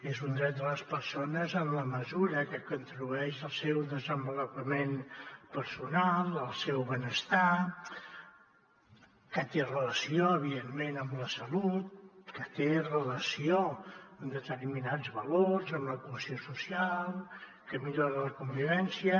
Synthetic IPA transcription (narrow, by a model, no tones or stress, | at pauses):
ezund̪ɾɛt̪̚d̪ələspəɾsonəzəmləməzuɾəkəkunt̪ɾuɛʃəlˠsɛwðəzəmbəlupəmenpəɾsunalˠəlˠsɛwβənəst̪a | kət̪erələsioəβ̞iðenːenəmləsəlut̪̚kət̪erələsiond̪ət̪ərminad͡zβəlorzəmləkuəsiosusialˠ | kəmiʎoɾələkumbiβɛnsiə